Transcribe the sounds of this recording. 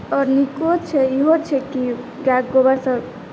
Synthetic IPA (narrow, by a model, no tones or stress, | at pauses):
ɔɾnikot͡ʃʰɛiɦot͡ʃʰɛki | ɡaɡːobasəb